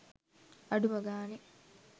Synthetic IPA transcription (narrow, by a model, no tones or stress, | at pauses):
ɐɖumɐɡaːni